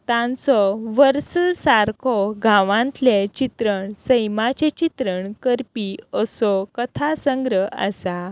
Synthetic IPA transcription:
t̪ãnt͡sɔʋəɾsəlsaɾkʰɔɡʱãʋãnt̪let͡ɕit̪ɾəɳsəjmat͡ɕet͡ɕit̪ɾəɳkəɾpiəsɔkət̪ʰasəŋɡɾəa̰sa

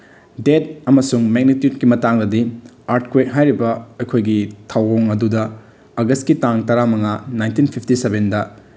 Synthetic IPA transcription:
det̚ɐmɐsuŋmeɡ̚nitjud̚kimɐtaŋdɐdiaɾtkwejt̚ɦajɾibɐɐjkʰojɡitʰawoŋɐdudɐ | ɐɡɐstkitaŋtɐɾamɐŋanajntinpʰipʰtisebendɐ

